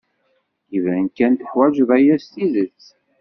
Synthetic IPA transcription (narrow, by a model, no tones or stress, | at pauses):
ivænkænt̪ə̥ħwæd͡ʒðæjæst̪iðət͡sː